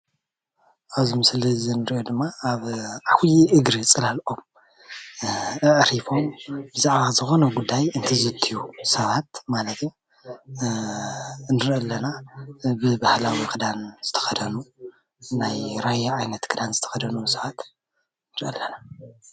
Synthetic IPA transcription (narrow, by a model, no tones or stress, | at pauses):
ʔaβzimɨslizɨnɨɾʔod̪ɨmːaaβʕawjiʔɨɡɾit͡sʼɨlalʔo̞m | ɨʔɾifo̞mbɨzaʕβazɨxo̞nɐɡud̪ːajɨnt̪ʰɨzɨt̪ʰijusɐβat̪malɐt̪ʰ | nɨɾʔɐlːɐnabɨbahlawikʰɨd̪anz̥ɨt̪ʰɐ̥xɐd̪ɐnu | najɾajaʕajnɐt̪kʰɨd̪anzɨt̪ʰɐ̥xɐd̪ɐnusɐβat̪ | nɨɾʔɐlːɐna